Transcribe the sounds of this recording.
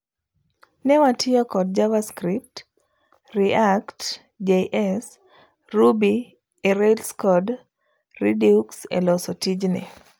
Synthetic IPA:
nɛwatʰɪɔkɔd̚d͡ʒavaskɾip̚t | riakt | d͡ʒeʔɛs | rubi | eɾelskɔd | ridiuksḛlɔsɔtid͡ʒnɛ̰

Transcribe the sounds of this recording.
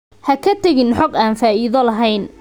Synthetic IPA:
hɐkʰɐt̪ʰɐɣɪnħɔqaːnfaːiːðɐlɐɦɛjn

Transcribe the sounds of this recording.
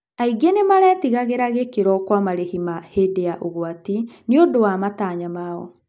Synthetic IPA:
aiɡenemaɾɛːtiɣaɣeɾaɣekeɾɔkwamaɾehimahedeaʔoɣwatineodowamataːɲamaɔ̰

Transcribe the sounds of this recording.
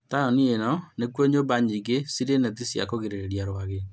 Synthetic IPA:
tanɔnienɔnekwoɲobaɲiɡesiɾenet̬isja̰koɣeɾeɾeɾjaɾwaɣe

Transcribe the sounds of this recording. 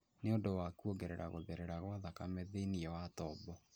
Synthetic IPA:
neondowakuoɡeɾɛɾaɣoðeɾɛɾaɣwaðakamɛðeiniɛwatɔbɔ

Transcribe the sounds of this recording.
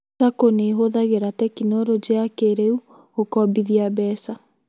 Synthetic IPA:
akoneɦoðaɣeɾatɛkinoɾod͡ʑeakeɾeu | okɔbiðiabɛːsa

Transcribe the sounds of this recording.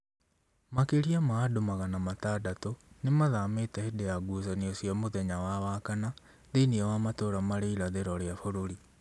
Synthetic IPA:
makeɾiamaːdomaɣanamataːdatonemaðaːmetaedeaɡusaniɔsjamoðɛɲawawaːkana | ðeiniɛwamatoːɾamaɾeiɾaðeɾɔɾeafoɾoɾi

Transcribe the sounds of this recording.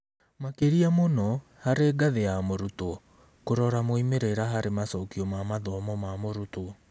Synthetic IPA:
makeɾiamonɔ | haɾeɡaðejamoɾutoɔ | koɾɔɾamoimeɾeɾaɦaɾemasɔkiɔmamaðɔmɔmamoɾutoɔ

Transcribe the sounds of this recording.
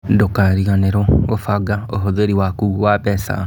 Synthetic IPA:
dokaɾiɣaneɾɔofaɡaoɦoðeɾiwakuːwabɛsa̰

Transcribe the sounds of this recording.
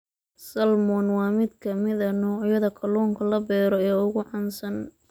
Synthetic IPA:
sɐlmɔnwɑːmɪd̪kʰɐmɪðɐnɔːʕjɐðɐkʰɐlɔːŋkʰɐlɐbɛːɾɔɛːʊɣʊʕɑnsɐn

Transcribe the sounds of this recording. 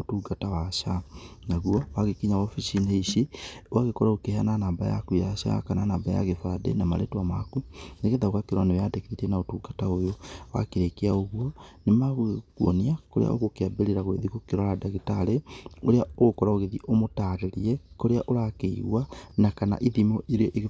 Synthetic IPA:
otuːɡatawaʃanaɣwɔwaɣekiɲawɔfiʃineiʃiwʔaɣekɔɾaokehananaːbaja̰kuiaaʃa̰kananaːbaja̰ɣefadḛnama̰ɾḛtwamakuneɣeðaɣwakeɾwanewadekeitenaotuːɡataojowa̰keɾekeaoɣwɔnemaɣoɣkuɔ̰niakoɾḛa̰o̰ɣokeabeɾeɾaɣoeðiɣokeɾɔɾadaɣetaɾeoɾeaoɣokɔɾaoɣeðiʔomotaɾeɾiɛkoɾeaʔoɾakeḭɣwanakana̰ʔiðimɔʔeɾiɔʔeɣ

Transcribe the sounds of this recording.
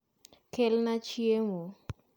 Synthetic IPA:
kɛlnat͡ʃiemo

